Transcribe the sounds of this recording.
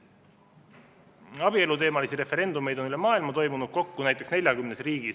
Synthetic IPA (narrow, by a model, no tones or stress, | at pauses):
ɑb̥ie̞lut̪e̞ːmɑlisiɾe̞fe̞ɾe̞nd̪ume̞jd̪o̞nylemɑːilmɑt̪o̞jmunud̪̥̚ko̞kːunæjt̪ːˑe̞ksne̞lʲjɑkymnesriːɡ̥is